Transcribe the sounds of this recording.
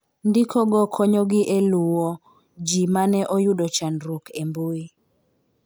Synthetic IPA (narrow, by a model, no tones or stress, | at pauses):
ndɪkʰɔɡɔkʰɔɲɔɡɪʔeluwɔ | d͡ʒimanɛʔɔjuɗɔt͡ʃanɾukemboi